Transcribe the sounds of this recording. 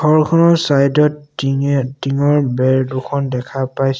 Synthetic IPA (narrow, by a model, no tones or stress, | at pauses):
ɡʱɔɹkʰɔnɔsajdɔt | tiŋɔɹbɛɹdukʰɔndɛkʰapajs